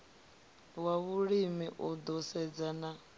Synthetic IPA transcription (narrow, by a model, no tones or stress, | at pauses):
waβuɺimiʔud̪ɔsɛd͡zana